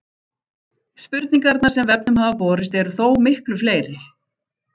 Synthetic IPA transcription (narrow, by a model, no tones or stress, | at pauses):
spʏɾt̪niŋkaɾt̪naɾ̥sɛmvɛp̚nʏmɦaːvapɔːɾɪst̪ɛɾʏθoːwmɪhklʏfleːjɾɪ